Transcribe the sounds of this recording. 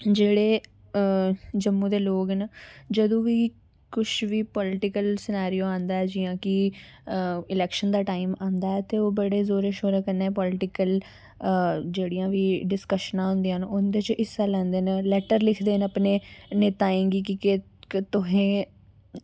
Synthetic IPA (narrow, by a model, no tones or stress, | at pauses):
d͡ʒeːɽeː | d͡ʒəmːũːd̪eːloːɡnəd͡ʒəd̪õːʋiː | kʊʃʋiːpɔːlɪʈɪkəlsɪnaːɾijoːãːnd̪aːɛːd͡ʒɪːjãːkɪ | ɪlɛːkʃənd̪aːʈaːɪmãːnd̪aːɛːt̪eːoːbəɽeːzoːɾeːʃoːɾeːkəɾneːpɔːlɪʈɪkəl | d͡ʒeːɽijãːʋiːɖɪskəʃnãːɦʊ̃nd̪iənʊnd̪eːt͡ʃʔɪsaːlɛ̃ːnd̪eːnəlɛːʈəɾlɪkʰd̪eːnəpneːneːt̪aːẽːɡiːkɪke | t̪ʊɦẽː